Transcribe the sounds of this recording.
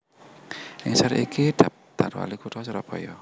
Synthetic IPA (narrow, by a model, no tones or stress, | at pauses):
ʔɪŋsaɾḭkid̪̥ap̚t̪arwa̰likudɔsuɾɔb̥ɔ̤jɔ